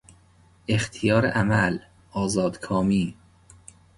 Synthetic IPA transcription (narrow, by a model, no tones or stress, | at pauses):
e̞xt̪ʰijɒːɾḛʔæmæl | ʔɒːzɒːd̪̥kʰɒːmiː